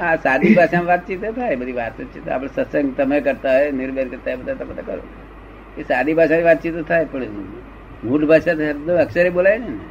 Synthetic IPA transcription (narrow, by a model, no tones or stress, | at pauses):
ɦãsad̪ʱibʱaʃamʋat̪̚t͡ʃit̪et̪ʰaebəd̪ʱiʋat̪ət͡ʃʰit̪o̰a̰pəɽ̃səsəŋɡt̪əmekəɾt̪aɦnɪɾbenkəɾt̪aɦebəd̪ʱat̪əmət̪akəɾo̰ | kesad̪ʱibʱaʃãniʋat̪̚t͡ʃit̪ot̪ʰajpəɳ | mʱuɖbʱaʃat̪əd̪oəksəɾebolainena